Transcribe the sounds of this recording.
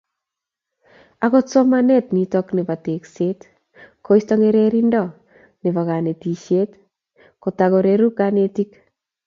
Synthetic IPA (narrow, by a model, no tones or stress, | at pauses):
akotsomanetnitɔknepatekset | koistɔŋeɾeɾindɔ | nepakanetiʃjet | kotakoɾeɾukanetik